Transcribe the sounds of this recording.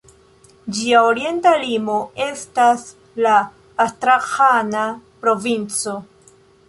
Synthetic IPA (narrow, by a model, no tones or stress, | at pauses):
d͡ʒiaoɾie̞ntalimoe̞stas | laː | stɾaxanapɾo̞vint͡so̞